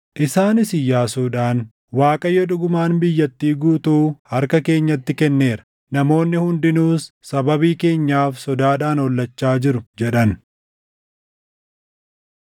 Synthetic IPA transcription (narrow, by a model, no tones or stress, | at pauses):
ʔɪsaːnɪsɪjːaːsuːᶑaːn | waːkʼɐjːɔᶑʊɡʊmaːnbɪjːɐt̪ːiːɡuːt̪uːhɐɾkɐke̞ːɲːɐt̪ːɪkɛnːe̞ːɾɐ̥ | nɐmo̞ːnːɪhʊnd̪ɪnuːsːɐbɐbiːke̞ːɲːaːfsɔd̪aːᶑaːnɔlːɐt͡ʃːaːd͡ʒɪɾʊd͡ʒɛᶑɐn